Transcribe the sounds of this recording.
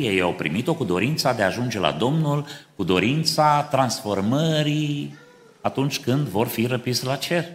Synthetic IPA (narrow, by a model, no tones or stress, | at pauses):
jeja̰wpɾḭmit̪o̞kud̪o̞ɾint̪sad̪e̞aːʒund͡ʒe̞la̰d̪o̞mnulkud̪o̞ɾint̪sat̪ɾansfo̞rməɾi | at̪unt͡ʃʲkɨnd̪vo̞rfiɾəpislat͡ʃe̞r